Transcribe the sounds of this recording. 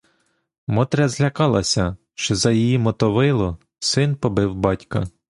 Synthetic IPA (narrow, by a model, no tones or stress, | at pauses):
mɔt̪ɾʲɐzlʲɐkɑlˠɐsʲɐ | ʃt͡ʃɔzɐjijimɔt̪ɔʋɪlˠɔ | sɪnpɔbɪwbɑtʲkɐ